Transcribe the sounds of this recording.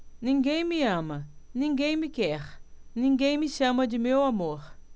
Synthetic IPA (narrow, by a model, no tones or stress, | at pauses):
nĩŋɡẽj̃miɐ̃mɐnĩŋɡẽj̃mikɛɾnĩŋɡẽj̃miʃɐ̃mɐd͡ʒɪmewamoɾ